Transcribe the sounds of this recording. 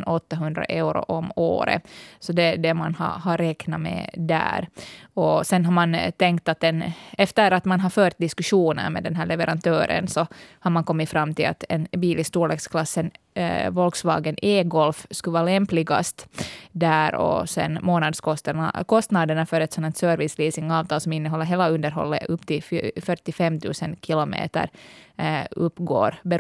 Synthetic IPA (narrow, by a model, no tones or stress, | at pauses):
nɔt̪ːaɦɵnd̪ɾa̰ʔɛɾʊ̰ʔɔmo̰ːɾə̰sɔd̪ɛd̪ɛmanhɑ̰ɦaɾːɛknamɛ̰d̪æ̰ːɾɔsɛnɦaɾmant̪ʰɛŋkt̪at̪ɛnɛft̪əɾat̪manɦaɾfœːɾt̪̚d̪ɪskʉʂuːnə̰ɾmɛ̰d̪ɛnɦæːɭɛvɛɾʔant̪ʰøːɾə̰nsɔhaɾmaŋkɔmːɪtfɾamːt̪ʰɪla̰t̪ɛnbiːlɪskt̪uːɭɛɡskʰlɑsːənvɔlksʋɑ̰ːɡənʔeːɡɔlfskɵʋɑːlɛmplɪɡa̰st̪d̪æɾɔ̰sɛ̰nmoːnɑd̪skɔst̪ən̰kʰɔst̪nɑd̪əɳɑfœɾɛt̪sɔnːɑt̪sœːɾvɪsliːsɪŋɑːvt̪ʰɑːlsɔmɪnːəɦɔlːəɦeːlaɵnd̪əɾɦɔ̰lːə̰ʔɵpːt̪ʰɪlffœʈːɪfɛmːt̪ʰʉ̰ːsənkʰɪlɔmḛːt̪ə̰ɾ | ɵpːɡo̰ːɾbɛ